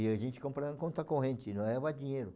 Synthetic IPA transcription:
iɐʒẽnt͡ʃɪ̥kõmpɾɐ̃kõnt̪ɐkõɦẽnt͡ʃɪnɐ̃w̃ɛvad͡ʒĩɲeɾʊ

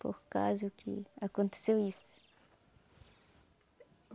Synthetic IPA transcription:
po̰ku̥ka̰zukʰɨ̰ɐkõnt̪sewistu̥

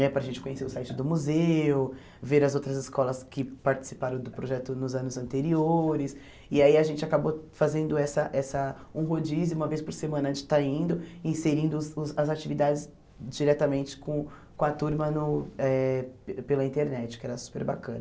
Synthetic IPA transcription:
nɛpɾɐʒẽnt͡ʃɪkõɲeseɾʊsajt͡ʃɪd̪ʊmuzeʊ | veɾɐzowt̪ɾɐzɪskɔlɐskɪpaɾt͡ʃɪ̥si̥paɾɐ̃w̃d̪ʊpɾoʒɛt̪ʊnʊzɐ̃nʊzɐ̃nt̪eɾioɾɪs | ɪaiɐʒẽnt͡ʃɪakabofazẽnd̪ʊɛsɐʔɛsɐũɦod͡ʒizɪũmɐvejspoɾsemɐ̃nɐ̃t͡ʃɪ̥t̪aĩnd̪ʊĩseɾĩnd̪ʊzzɐzat͡ʃivid̪ad͡ʒɪs | d͡ʒiɾɛt̪ɐmẽnt͡ʃɪ̥kõ | kõɐt̪uɾmɐnʊɛpelɐĩt̪eɾnɛt͡ʃɪ̥kɪɛɾɐsu̥peɾba̰kɐ̃nɐ

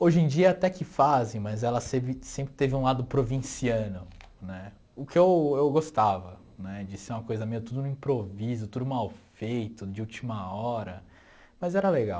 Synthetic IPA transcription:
oʒẽd͡ʒiɐat̪ɛkɪfazẽj̃mɐzɛlɐsevɪsẽmpɾɪt̪evɪũlad̪ʊpɾovĩsiɐ̃nʊ | nɛ | ʊkɪewewɡost̪avɐ | nɛd͡ʒɪseũmɐkojzɐmẽɐt̪ud̪ʊnʊĩpɾovizʊt̪ud̪ʊmawfejt̪ʊd͡ʒɪut͡ʃimɐɔɾɐ | mɐzɛɾɐleɡaw

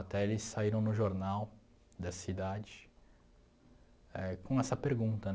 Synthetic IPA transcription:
at̪ɛelɪsːaiɾɐ̃w̃nʊʒoɾnaw | d̪ɐsid̪ad͡ʒɪ | ɛkõɛsɐpeɾɡũnt̪ɐ

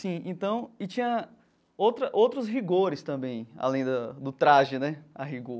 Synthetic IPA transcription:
sĩẽt̪ɐ̃w̃ɪt͡ʃĩɲɐ | owt̪ɾɐʔowt̪ɾʊsɦiɡoɾɪst̪ɐ̃mbẽj̃a̰lẽj̃d̪ɐd̪ʊt̪ɾaʒɪnɛaɦiɡo

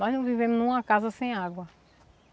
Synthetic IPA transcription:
nɔznɐ̃w̃vivẽmʊnũmɐkazɐsẽj̃aɡwɐ

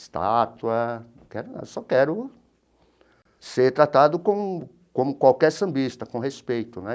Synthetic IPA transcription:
st̪a̰t̪uɐ̃ | kɛɾʊnɐ̰̃sɔkɛɾʊ | seɾt̪ɾat̪ad̪ʊkõ | kõmʊkwawkɛɾsɐ̃mbist̪ɐkõhespejt̪ʊnɛ

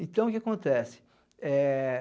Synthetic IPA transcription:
ẽt̪ɐ̃w̃ʊkɪakõnt̪ɛsɪ̥ | ɛ

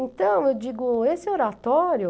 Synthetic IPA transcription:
ẽnt̪ɐ̃w̃ewd͡ʒiɡʊesɪoɾat̪ɔɾjʊ

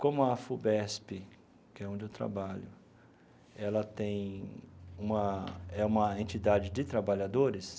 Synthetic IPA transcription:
kõmʊɐfubɛspɪ | kɪɛõnd͡ʒɪewt̪ɾa̰baʎʊ̰ | ɛlɐt̪ẽj̃ | ũmɐɛũmɐẽnt͡ʃid̪ad͡ʒɪd͡ʒɪt̪ɾabaʎad̪oɾɪs

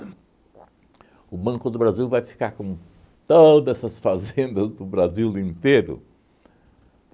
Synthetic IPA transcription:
ʊbɐ̃kʊd̪ʊbɾaziwvajfi̥kaɾkõ | t̪od̪ɛsɐsfazẽnd̪ɐzd̪ʊbɾaziwlĩnt̪eɾʊ̰

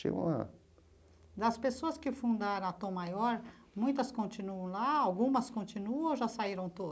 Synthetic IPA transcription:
ḭɐ̰̃a̰ | d̪ɐspesoɐskɪfũnd̪aɾɐ̃at̪õmajɔɾ | mũj̃t̪ɐskõnt͡ʃĩnuɐ̃w̃laawɡũmɐskõnt͡ʃĩnuɐ̃w̃ʒasaiɾɐ̃w̃t̪od̪

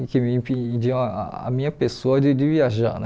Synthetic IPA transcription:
kɪmɪĩpd͡ʒiɐ̃aa̰a̰mĩɲɐpesoɐd͡ʒɪd͡ʒɪviaʒa̰nɛ

